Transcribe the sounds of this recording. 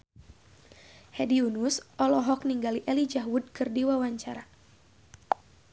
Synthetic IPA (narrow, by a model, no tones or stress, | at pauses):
hɛdiunusʔɔlɔɦɔk̚niŋɡaliʔɛlid͡ʒaɦwud̚kɨrdiwawaɲt͡ʃaɾa